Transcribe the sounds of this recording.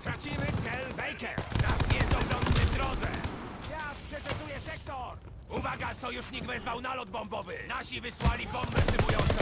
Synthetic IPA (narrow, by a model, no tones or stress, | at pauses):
t̪ɾat͡ɕimɘt̪sɛlbɛjkɛɾnazmʲjɛzɔɡɾɔnd̪ːɪvd̪ɾɔd̪zɛ̰jaspʂɛt̪sɛd̪ujɛsɛkt̪ɔɾ | uvaɡasɔjuʂɲiɡvɛzvawnalɔd̪̚bɔmbɔvɘnaɕivɘswalʲibɔmbɛzɨvujɔnt̪sɛ